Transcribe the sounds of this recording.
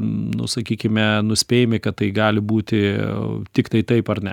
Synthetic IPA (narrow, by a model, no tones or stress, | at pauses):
nʊ̰sɐkʲiːkʲɪmʲɛnʊsʲpʲeːjɪmʲɪkɐt̪tɐɪɡɑːlʲɪbuːt̪ʲɪt̪ʲɪkt̪ɐɪt̪ɐɪpɐɾnʲɛ